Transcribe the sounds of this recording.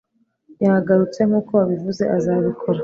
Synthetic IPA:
jahaɡaɾut͡se̞ŋuːkʰo̞aβivuze̞ʔazaːβikʰo̞ɾa

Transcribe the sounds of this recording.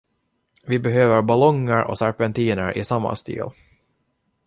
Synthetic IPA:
vɪbɛɦøːvəɾbalɔŋːəɾʔɔ̰sæɾpɛnt̪iːnəɾʔɪ̰samːa̰st̪ḭːl

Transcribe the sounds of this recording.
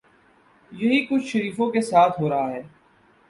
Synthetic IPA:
jɐɦikʊt͡ʃʰʃɐɾiːfõkesaːt̪ʰɦoːɾɐɦaɦɛː

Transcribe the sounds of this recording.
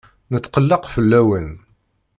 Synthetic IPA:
nət͡sːqəlːɑqfəlːæwən

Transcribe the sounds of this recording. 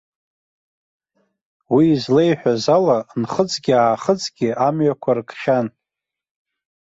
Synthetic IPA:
wiːzle̞jħᶣazalanχət͡sʼɡʲɪaːχət͡sʼɡʲɪʔamɥakʷʰarkχʲan

